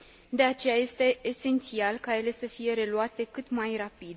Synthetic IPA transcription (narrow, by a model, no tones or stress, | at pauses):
d̪e̞at͡ʃe̞jaje̞st̪e̞ːse̞nt̪sialkaje̞le̞səfije̞ɾe̞luat̪e̞kɨt̪majrapid̪